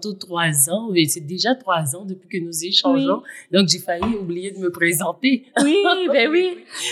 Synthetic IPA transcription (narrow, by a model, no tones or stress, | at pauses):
t̪ut̪χwazɑ̃mɛsɛd̪eʒat̪χwazɑ̃d̪əpɥikənuzeʃɑ̃ʒɔ̃d̪ɔ̃kʒefajiublijed̪əməpʁezɑ̃t̪ewibɛwi